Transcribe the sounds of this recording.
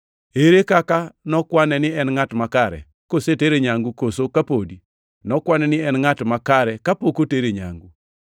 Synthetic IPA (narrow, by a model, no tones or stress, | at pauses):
eɾekakanɔkwanɛnɪɛnŋatmakaɾɛ̰ | koseteɾeɲaŋɡukosokapodi | nɔkwanɛnɪɛnŋatmakaɾɛkapokoteɾeɲa̰ŋɡu